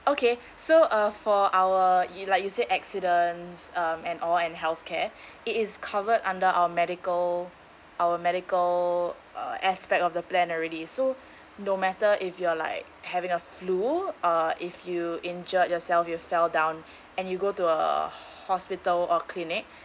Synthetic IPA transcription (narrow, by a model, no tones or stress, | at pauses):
okʰe | soʔʌfɔʔawəlaɪkjuseʔɛksidə̃nsʌ̃mɛ̃nʔɔlɛ̃nɦɛlθkʰɛ | ɪtɪskʰavədã̰ndəʔa̰wəmɛɾikəl | ʔawəmɛɾɪkəl | ʔʌ̰ʔɛspɛk̚tɔfdəplɛ̃nɔɹɛdiso | nomɛtəʔɪfjuəla̰ɪk | hɛvɪ̃ŋəfluɔɪfjuĩnd͡ʒət̚jɔsɛlfjufɛldãʊ̃n | ɛ̃njuɡotuə̰ | hɔspɪtəlɔkʰlinɪk̚